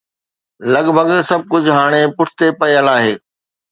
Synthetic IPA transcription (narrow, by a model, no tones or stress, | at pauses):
lɐɠbʱəɡsɐb̚ʱkʊd͡ʑʱɦaːɽ̃epʊʈʰt̪epɐjəlaːɦeː